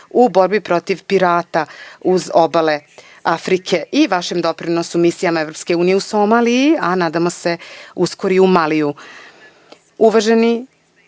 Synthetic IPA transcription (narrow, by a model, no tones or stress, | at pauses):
ubo̞ɾbipɾo̞t̪iʋpiɾaːt̪auzo̞bale̞ | afɾikʰe̞ʔiʋaʃemd̪o̞pɾinosumisijamae̞vɾo̞pske̞uːnijeuso̞maːliianaːd̪amo̞se̞usko̞ɾiumaliju | uʋaʒe̞ni